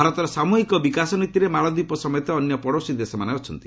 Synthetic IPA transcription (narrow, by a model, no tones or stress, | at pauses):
bʱaɾɔt̪ɔɾɔsamuɦikɔbikasɔnit̪iɾemaɭɔd̪ipɔsɔmɔjɔt̪ɔːnjɔpɔɽosid̪esɔmaneɔt͡ʃʰɔnt̪i̥